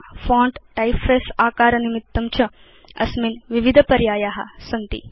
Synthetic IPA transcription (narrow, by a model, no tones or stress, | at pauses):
fõːɳʈʈajfʰeːsaːkaːɾɐnimit̪ːɐmt͡ʃʰɐ | ɐ̰sminʋiʋid̪ʱɐpɐɾjaːjaːɦɐ̰sɐnt̪ḭ